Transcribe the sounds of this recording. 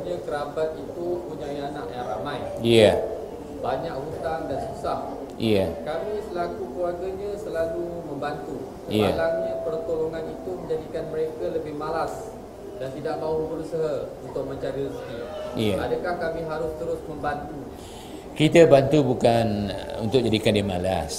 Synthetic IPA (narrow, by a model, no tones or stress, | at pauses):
ɲãkəɾabat̪̚it̪upuɲaianaʔjaŋɾamãjja | baɲakhut̪aŋdansusah | jakamĩsəlakukluwarɡaɲãsəlalumə̃mbant̪u | sjalamɲapərt̪oloŋãnit̪umə̃ɲd͡ʒadikanməɾekaləbɪhmalas | dant̪idaʔmaubəɾusəɦaunt̪ʊk̚mə̃ɲt͡ʃaɾiɾiskijaadakahkamĩɦaɾʊst̪əɾʊsmə̃mbant̪uɲ | kit̪əbant̪ubukanṵnt̪ʊk̚d͡ʒadikandimalas